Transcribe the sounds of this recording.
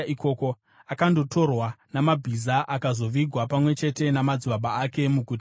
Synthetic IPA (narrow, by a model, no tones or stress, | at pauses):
iko̞ːko̞ | akando̞tʰo̞rwanamabʱizaʔakazo̞ʋiɡʱwapamwe̞t͡ʃe̞te̞namad͡ziɓaɓaake̞mukut